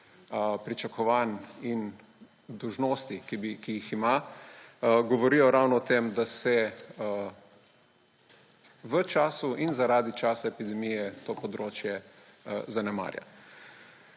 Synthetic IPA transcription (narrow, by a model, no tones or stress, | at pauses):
pɾit͡ʃakʰɔʋaːnin | d̪ɔwʒnoːst̪ikibikijixima | ɡɔʋɔɾiːjɔɾawnɔɔt̪emd̪asɛ | ʋət͡ʃaːsuʔinzaɾaːd̪it͡ʃaːsaɛpid̪ɛmijɛt̪oːpɔd̪ɾoːt͡ʃjɛ | zanɛma̰ːɾja̰